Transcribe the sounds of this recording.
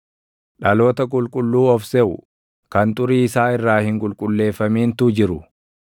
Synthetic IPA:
ᶑɐlo̞ːt̪ɐkʼʊlkʼʊlːuːɔfsɛʔʊ | kɐnt̪ʼʊɾiːɪsaːɪrːaːhɪŋkʼʊlkʼʊlːe̞ːfːɐmiːnt̪ʊd͡ʒɪɾʊ

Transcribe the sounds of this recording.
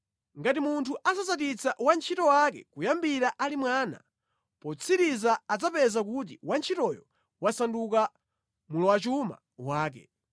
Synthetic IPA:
ŋɡatimuntʰuʔasazatit͡sʰaʔwant͡ʃʰitɔwakɛ̰kujambiɾaʔalimwaːna̰ | pɔt͡sʰiɾizaːd͡zapɛzakut̬iwant͡ʃʰitɔjɔ̰ | wasanduka | mulɔwat͡ʃuma̰ | waːkɛ̰

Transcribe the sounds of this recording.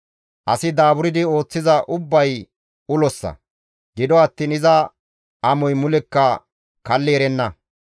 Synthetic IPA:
ʔɐsɪd̪aːbʊɾɪd̪ɪo̞ːt͡sːɪzɐʔʊbːɐj | ʊlɔsːɐ̰ | ɡɪd̪ɔɐt̪ːiːnɪzɐ | ʔɐmɔjmʊlɛkːɐ | kɐlːɛɛɾɛnːɐ

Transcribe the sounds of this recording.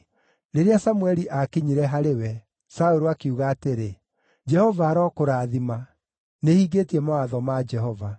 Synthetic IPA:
ɾeɾeasamuɛɾiʔakiɲiɾɛɦaɾewɛ | saoɾoakiuɣaːteɾe | d͡ʒɛhɔvaːɾɔːkoɾaːðima | nehiːɣeːtiɛmaaðɔmad͡ʒɛhɔva

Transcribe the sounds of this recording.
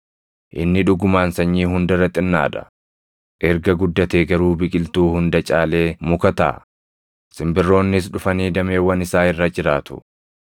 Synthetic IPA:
ʔɪ̰nːɪᶑʊɡʊmaːnsɐɲːiːɦʊnd̪ɐɾɐt̪ʼːɪnːa̰ːᶑɐ̥̰ | ʔɛɾɡɐɡʊd̪ːɐt̪eːɡɐɾuːbɪkʼɪlt̪uːhʊnd̪ɐt͡ʃʼaːleːmʊkɐt̪a̰ː | sɪmbɪrːo̞ːnːɪs̬ᶑʊfɐniːd̪ɐme̞ːwɐnɪsaːɪrːɐd͡ʒɪɾaːt̪ʊ̥̰

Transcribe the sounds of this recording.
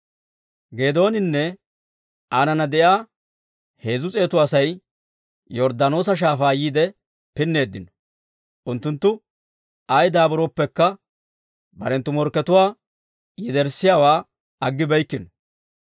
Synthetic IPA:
ɡe̞ːd̪o̞ːnɪnːɛ | anɐnɐd̪ɛjaː | he̞ːzʊt͡sʼe̞ːt̪ʊɐsɐj | jɔɾd̪ɐno̞ːsɐʃ̬aːfaːjiːd̪ɛ | pɪnːe̞ːd̪ːɪnɔ̥ | ʔʊnt̪ːʊnt̪ːʊ | ɐjd̪aːbɔɾopːɛkːɐ | bɐ̰ɾɛnt̪ːʊmɔɾkːɛt̪ʊwaː | jɛd̪ɛɾsɪjaːwaː | ɐɡːɪbɛjkːɪnɔ

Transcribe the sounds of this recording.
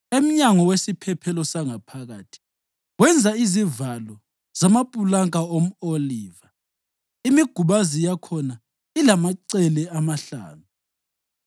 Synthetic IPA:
em̩ɲaŋɔwesipʰɛpʰɛlɔsaŋapʰaɣa̰ːtʰi̥ | wɛnd͡zʱaizivalɔ | z̥amapʼulaŋk̬ʼaom̩oliːva | imiɡ̥ʱuɓazijakʰɔna | ilamaǀɛlɛamaɬa̰ːnu

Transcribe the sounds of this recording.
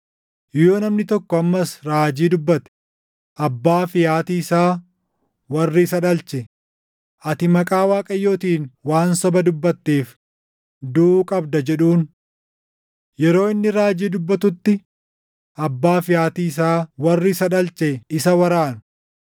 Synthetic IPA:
joːnɐmnɪt̪ɔkːɔɐmːɐsɾaːd͡ʒiːd̪ʊbːɐt̪ɛ̥ | ʔɐbːaːfɪjaːt̪iːɪsaː | wɐrːɪɪsɐᶑɐlt͡ʃɛ | ʔɐt̪ɪmɐkʼaːwaːkʼɐjːo̞ːt̪iːnwaːnsɔbɐd̪ʊbːɐt̪ːeːf | d̪ukʼɐbd̪ɐd͡ʒɛᶑuːn | jɛɾo̞ːɪnːɪɾaːd͡ʒiːd̪ʊbːɐt̪ʊt̪ːɪ | ʔɐbːaːfɪjaːt̪iːɪs̬aːwɐrːɪsɐᶑɐlt͡ʃɛɪsɐwɐɾaːnʊ̥

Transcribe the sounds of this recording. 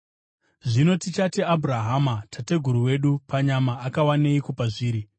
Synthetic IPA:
ʐino̞tit͡ʃatiabʱuraɦamatʰate̞ɡʱuɾuwe̞ɗupaɲamaːkawaneikopaʐiːɾi

